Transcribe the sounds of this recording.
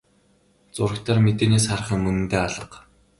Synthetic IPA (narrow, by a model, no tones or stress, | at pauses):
t͡sʊɾ̆kt̪ʰaːrmet̪eːneːsχar̆χə̆ŋmɵnɘ̆nt̪eːaɮə̆q